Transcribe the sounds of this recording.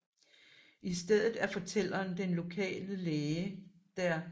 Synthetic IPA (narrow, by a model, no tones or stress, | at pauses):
isd̥eð̞̰ˠð̩ˠæɐfɒ̽t͡sʰel̰ɐːnd̥enlo̝kʰɛ̰ːləleːə | d̥æɐ